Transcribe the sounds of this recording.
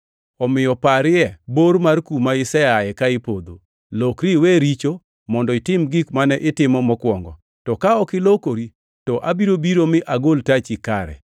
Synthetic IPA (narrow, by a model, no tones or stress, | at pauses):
ɔmɪjɔpaɾɪɛboɾmarkumaɪsɛajɛkaɪpod̪o̰ | lokɾiweɾit͡ʃo | mɔndɔɪtɪmɡɪkmanɛʔɪtɪmɔmɔkwɔŋɡɔ̰ | tɔkaɔkɪlokoɾi | tɔʔabiɾobiɾomɪʔaɡoltat͡ʃikaɾɛ̰